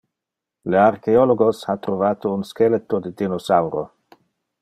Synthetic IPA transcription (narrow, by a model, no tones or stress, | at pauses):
learkeoloɡosat̪ɾovaːt̪ounskelet̪ːod̪əd̪inosawɾo